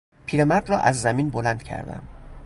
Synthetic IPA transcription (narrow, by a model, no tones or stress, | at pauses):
pʰiːɾemæɾd̪ɾɒːʔæzːæmiːnbolænd̪̥̚cʰæ̰ɾd̪æ̰m